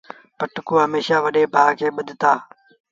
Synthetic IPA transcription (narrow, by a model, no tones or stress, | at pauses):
pəʈkuːɦəmeːʃaːʋəɗeːpaːkʰeːɓəd̪ʱt̪aː